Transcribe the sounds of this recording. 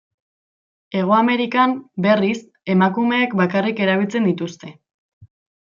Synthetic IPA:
e̞ɣ̞oame̞ɾikambe̞ris | e̞makume̞ːkbakarike̞ɾaβ̞ilt͡se̞nd̪it̪ust̪e̞

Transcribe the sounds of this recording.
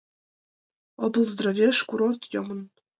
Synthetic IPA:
obɤ̆lˠzd̪rovʲeʂkuɾort̪jɤmɤ̆n

